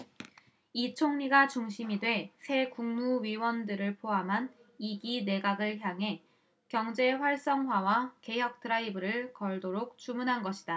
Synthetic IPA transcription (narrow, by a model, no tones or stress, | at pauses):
it͡ɕʰoŋɲiɡat͡ɕuŋɕʰimidwe̞sʰe̞kuŋmuɥiwʌndɯɾɯɭpʰoɦamɦan | iɡine̞ɡaɡɯɭɦjaŋɦe̞ | kjʌŋd͡ʑe̞ɸwaɭs͈ʌŋɦwawake̞jʌk̚t͈ɯɾaibɯɾɯɭkʌɭdoɾok̚t͡ɕ͈umunɦanɡʌɕʰi̥da